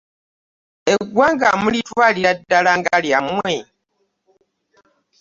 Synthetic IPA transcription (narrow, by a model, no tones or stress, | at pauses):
eɡwaːŋɡamulitwaːliɾadːalaŋɡaljamwe